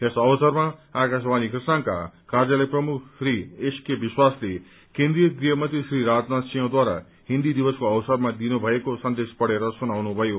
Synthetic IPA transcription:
esʌwsʌɾmaakas̬banikrisnanka̰kaɾd͡zʌleprʌmukʰsɾieskebiswasle | kẽnd̪ɾijʌɡɾijʌmʌnt̪ɾisɾiɾad͡znat̪sijõd̪waɾa̰ | ɦind̪id̪ibʌskoʌwsʌɾmad̪inubʱʌekosʌnd̪espʌɽeɾʌsunawnubʱʌjo

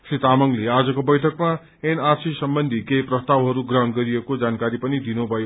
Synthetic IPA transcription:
sit̪amʌŋlead͡zʌkobʌjʈʰʌkma | enarsisʌmbʌnd̪ʱikejprʌst̪awɦʌɾuɡrʌɦʌnɡʌɾiekod͡zankaɾipʌnid̪inubʱʌjo

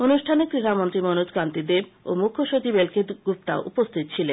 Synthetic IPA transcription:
onuʃʈʰanek̪ɾiɾamont̪ɾimonud͡ʒkant̪id̪ebo̰mukʰːoʃot͡ɕibelkeɡup̚t̪a̰oʔupost̪ʰit̪t͡ɕʰilen

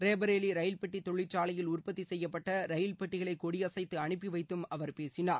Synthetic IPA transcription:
ɾeːbɐɾeːliɾɐjɪlpɐʈːit̪ɔɭːɪt͡ʃːaːɭɐjɪlʊrpɐt̪ːisɛjːɐpːɐʈːɐɾɐjɪlpɐʈːɪɣɐɭɐɪkːɔɽiɐsɐɪt̪ːɯɐɳɪp̬ːiʋɐɪt̪ːɯmɐʋɐɾpeːsɪnaːɾ

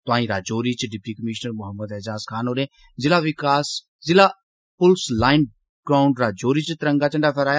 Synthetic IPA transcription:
t̪ʊãːĩːɾaːd͡ʒoːɾit͡ʃɖɪpikəmɪʃnəɾmʊɦəmːəd̪ed͡ʒaːskʰaːnoːɾẽː | zɪlaːʋɪkaːs | zɪla | pʊlslaːɪn | ɡ̥ɾaːʊ̃ɳɖɾaːd͡ʒoːɾiːt͡ʃt̪ɪɾə̃ŋɡaːt͡ʃɐ̃ɳɖapʰɐɾaːja

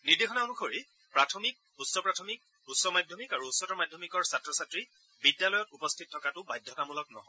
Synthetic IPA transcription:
niɹdexʰɔnamukʰoɹi | pɹatʰɔmik̚ | usːɔpɹatʰɔmik̚ | usːɔmajdʱjɔmikaɹuusːɔtɔmajdʱɔmikɔɹsatɹɔsatɹi | bidjalɔjɔtupɔstʰittʰːɔkatʊbajdʱːɔtamulɔknɔ̰ɦɔj

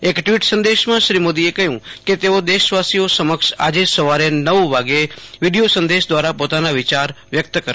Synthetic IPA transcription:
ekʈʋiʈsə̃nd̪eʃmãʃɾimod̪iekəɦjũket̪eod̪eʃʋasiosəməkʃa̰d͡ʒesəʋaɾenəʋʋaɡeʋiɖijosə̃nd̪eʃd̪ʋaɾapot̪anaʋɪt͡ʃaɾ | ʋjək̚t̪kə

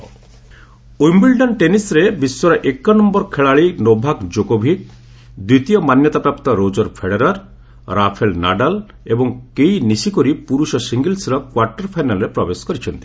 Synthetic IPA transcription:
ujmbilɖɔnʈenisɾebiswɔɾɔʔekːɔnɔmbɔɾkʰeɭaɭinobʱakd͡ʒoɡobʱik̚ | d̪it̪ijɔmanjɔt̪apɾapt̪ɔɾod͡ʒɔɾpʰeɽeɾaɾ | ɾapʰelna̰ɖal | ebɔŋkejnisikɔɾipuɾusɔsiŋɡilsɾɔkwaɾʈɔɾpʰajnalɾepɾɔbeskɔɾit͡ʃʰɔnt̪i̥

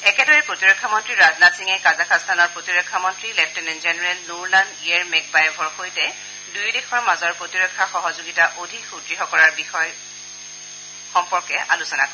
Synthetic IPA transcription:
ɛkɛdɔɹɛpɹotiɹɔkʰːamɔntɹiɹaznasiŋɛkazakʰast̪ʰanɔɹpɹotiɹɔkʰːamɔntɹilɛptɛnɛnzɛnɛɹɛlnuɹlandiaɹmɛk̚bajɔbʱɔɹxojtɛ | dujdexʰɔɹmazɔɹpɹotiɹɔkʰːaxɔɦɔzoɡitaʔodʱikxudɹiɦɔkɔɹaɹbixɔj | xɔmpɔɹkɛʔa̰lusɔnakɔ

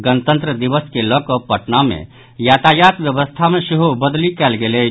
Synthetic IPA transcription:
ɡənət̪ə̃nt̪ɾəd̪iʋəskeləkəpəʈnamḛ̃ | jat̪ajat̪bjəβəst̪ʰamesiɦobəd̪likɛlɡelɛ

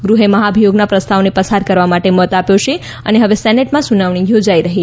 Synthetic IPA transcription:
ɡɾuɦeməɦabʱijoɡnapɾəst̪ʰaʋnepəsaɾkəɾʋamaʈemɔt̪apjoʃe | ə̰neɦəʋesɛneʈmãsunaʋɳ̃ijod͡ʒaiɾəɦi

